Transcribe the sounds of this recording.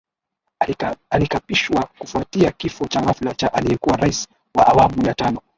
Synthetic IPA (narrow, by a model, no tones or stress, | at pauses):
alikapiʃwakufuatiakifɔt͡ʃaɣaflat͡ʃaʔalijɛkuwaɾais | waʔawamujatanɔ